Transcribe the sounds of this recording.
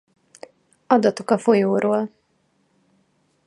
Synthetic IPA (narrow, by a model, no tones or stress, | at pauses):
ɒd̪ɒt̪o̞kɒfo̞joːɾʔoːl